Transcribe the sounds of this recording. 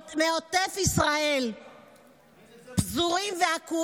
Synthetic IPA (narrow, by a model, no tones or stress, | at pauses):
meot̪efisʁae̞l | pzuʁimveaku